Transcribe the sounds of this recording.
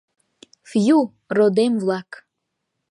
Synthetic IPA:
fju | rod̪emvlˠɑk

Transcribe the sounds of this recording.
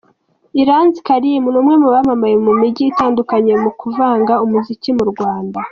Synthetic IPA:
iɾaːnzikaɾijemunumŋe̞muβamamajemumiɟiːtaːndukaɲe̞mukuvaːŋɡaumuzicimuɾɡwaːnda

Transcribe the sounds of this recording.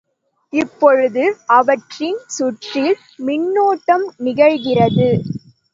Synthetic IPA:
ɪpːɔɻɯðɯʔɐʋɐʈrɪnsʊʈrɪl | mɪnːoːʈːɐmnɪɣɐɻɣɪrɐðɯ

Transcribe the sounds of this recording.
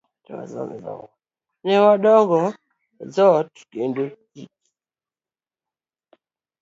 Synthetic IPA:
twa̰zɔ̰nzɔ̰ŋɡɔ | nɛwaɗɔŋɡɔ | zɔtkendo | ḭki

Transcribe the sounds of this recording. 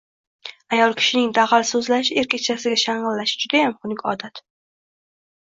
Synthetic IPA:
ajɒlˠkʲʰɪ̥ʃɪnɪŋd̪aʁalsɵzlaʃɪeɾkʲet͡ʃʰasɪɡʲaʃaɴʁɨlːaʃɪ̥d͡ʒʊd̪ajamχʊnɪkʲɒd̪at̪

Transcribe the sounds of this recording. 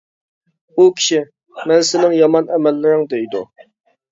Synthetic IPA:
ukʲʰi̥ʃi | mɛnsɪnɪŋjɑmɑnʔɛmɛlːɪɾɪŋd̪ejd̪ṵ

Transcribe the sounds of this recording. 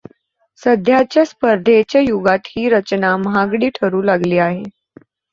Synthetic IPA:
səd̪ʱjat͡ɕjaspəɾd̪ʱet͡ɕjajuɡat̪hiːɾət͡ɕnamɦaɡɽiːʈʰəɾuːlaɡliːaɦe

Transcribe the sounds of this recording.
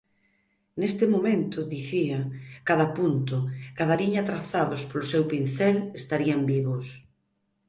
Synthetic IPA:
nest̪ɪmomẽnt̪ʊðiθiakaðapunt̪ʊkaðaɾiɲat̪ɾaθaðʊspolʊsewpinθɛlest̪aɾiambiβʊs

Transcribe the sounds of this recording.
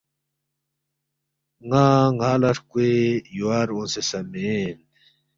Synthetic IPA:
ŋaːŋaːlɐʂkuejuwaːɾõnsesɐmen

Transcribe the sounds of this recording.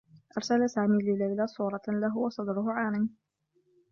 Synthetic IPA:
ʔɑɾˤsalasaːmiːlɪlajlasˤuːɾˤɑlaɦʊwɑsˤɑd̪ɾʊɦʊʕaːmɪn

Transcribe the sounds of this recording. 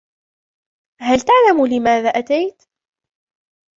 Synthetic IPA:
halt̪aʕlamulɪmaːðaːʔat̪ajt̪

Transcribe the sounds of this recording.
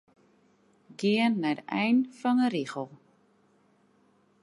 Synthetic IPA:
ɡiənːɛdəʔɛjnfɑnərixəlˠ

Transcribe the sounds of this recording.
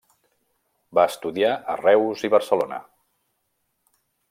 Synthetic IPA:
baəst̪uðiaʔərɛwziβəɾsəlonə̰

